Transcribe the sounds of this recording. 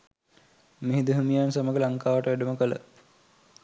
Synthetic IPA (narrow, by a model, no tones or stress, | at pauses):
miɦid̪əɦumijansaməɡəlaŋkaːʋəʈəʋæɖəməkələ̰